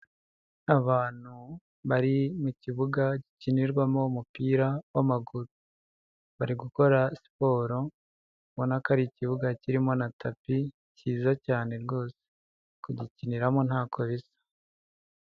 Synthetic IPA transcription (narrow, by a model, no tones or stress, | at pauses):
aβaːn̥hu | βaɾimuciβuɡaɟiciniɾɡwamo̞umupiːɾawamaɡuɾu | βaɾiɡuko̞ɾasi̥po̞ːɾo̞ | βonakaɾiciβuɡaciɾimo̞natapi | ciːzacaːne̞ɾɡo̞ːse̥ | kuɟiciniɾamo̞n̥haːkʰoβisḁ